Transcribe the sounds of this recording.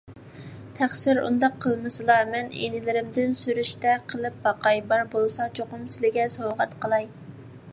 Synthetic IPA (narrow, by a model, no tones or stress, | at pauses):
t̪ʰæχsɪɾṵnd̪ɑqʰːəlˠmɨsɨlˠɑmɛnḛnɪlɪɾɪmd̪ɪnsyɾyʃt̪ɛqʰəlˠɨp̚bɑqɑjbɑɾbolˠsɑt͡ʃʰoqʊmsɪlɪɡʲɛsowʁɛt̪qʰəlˠɑj